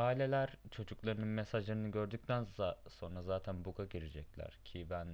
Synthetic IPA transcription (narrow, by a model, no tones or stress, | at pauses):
aːilʲelʲæɾ̥t͡ʃʰo̞d͡ʒuklˠaɾɯnɯnmesaʒlˠaɾɯnɯɟø̞ɾd̪yc̚t̪ʰænso̞nɾazaːt̪ʰænbuɡaɟiɾid͡ʒɛclʲæ̰ɾ̥cʰibæn